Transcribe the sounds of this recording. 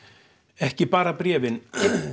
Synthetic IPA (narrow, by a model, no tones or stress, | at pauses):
ɛhcɪpaːɾapɾɛːvɪn